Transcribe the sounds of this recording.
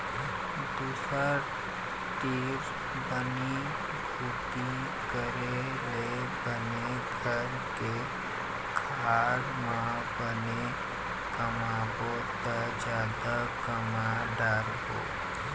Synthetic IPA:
d̪uːsəɾ | t̪iːɾ | bəni | bʱuːt̪i | kəɾe | le | bəne | ɡʱəɾ | ke | kʰ | aːɾmã | bəne | kəmabo | t̪a | d͡ʒjaːd̪akəmaɖaːɾɦo̰ː

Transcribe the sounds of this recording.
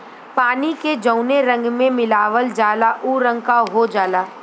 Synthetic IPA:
paːniked͡ʒəʊneɾə̃ŋɡmẽmɪlaːʋəld͡ʒaːlaʔuːɾə̃ŋɡkaɦod͡ʒaːlaː

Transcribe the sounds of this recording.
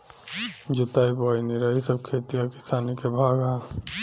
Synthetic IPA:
d͡ʒʊt̪aːibaːiniɾaːisɐb̚kʰeːt̪ijakɪsaːnikebʱaːɡa

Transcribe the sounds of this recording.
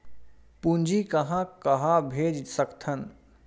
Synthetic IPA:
pũnd͡ʒikɐɦãkɐɦãbʱeːd͡ʒsəkt̪ʰən

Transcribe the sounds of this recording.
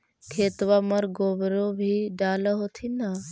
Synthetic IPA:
kʰeːt̪ʋaməɾɡoːʋɾobʱiɖaːləɦot̪ʰina

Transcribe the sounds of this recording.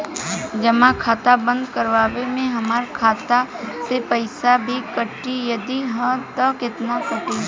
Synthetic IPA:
d͡ʒɐmãkʰaːt̪abə̃nd̪kəɾʋaːʋemẽɦɐmaːɾkʰaːt̪asepɐɪsabʱikəʈːijɐd̪iɦə̃t̪ɐkɪt̪nakʊʈi

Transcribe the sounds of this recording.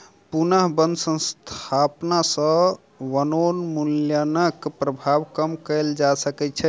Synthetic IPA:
punəɦbənd̪sə̃nst̪ʰapnasə̃ | ʋənonmuljanəkpɾəbʱabkəmkəld͡ʒasəkɛt͡ʃʰɛ

